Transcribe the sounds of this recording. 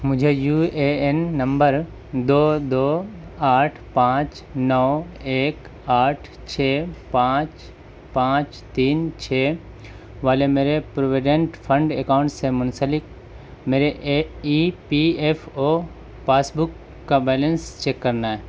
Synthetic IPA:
mʊd͡ʒʱejuːeenːə̃mbəɾ | d̪oːd̪oːaːʈʰpãːt͡ʃ | nɔːeːk | aːʈʰ | t͡ʃʰeːpãːt͡ʃ | pãːt͡ʃ | t̪iːnt͡ʃʰeː | ʋaːlemeːɾepɾoʋeɖẽɳʈpʰə̃ɳɖekaːʊ̃ɳʈsːemʊnsəlɪk̚ | meːɾeʔipiefo | paːsbʊkː | abɛːlənst͡ʃeːkːəɾnaɦɛː

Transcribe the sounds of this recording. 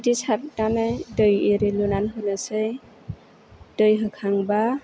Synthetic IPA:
disʰat̚nanajdɯjeɾelunanɦɯnasɯj | dɯjɦɯkʰaŋba

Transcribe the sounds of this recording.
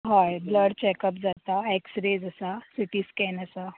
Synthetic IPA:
ɦajbləɽt͡ɕɛkəpd͡zat̪aɛksɾed͡zəsasiʈiːskɛnəsa

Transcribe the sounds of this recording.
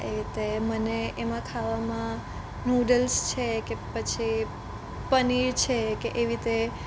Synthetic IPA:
eit̪eməneemãkʰaʋamã | nuɖəlst͡ʃʰekepət͡ʃʰi | pəniɾt͡ʃʰekeʔeʋit̪e

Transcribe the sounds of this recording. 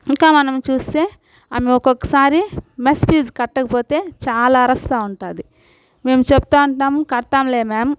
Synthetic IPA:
iŋkaːmɐnɐmt͡ʃuːst̪e̞ː | ɐːmeɔkokːɐ̥saːɾimespiːzkɐʈːɐkɐpo̞ːt̪e̞ːt͡ʃaːlaːɐɾɐst̪aːuɳʈaːd̪i | me̞ːmut͡ʃeput̪aːuɳʈaːmukɐɾt̪aːmle̞ːmaːm

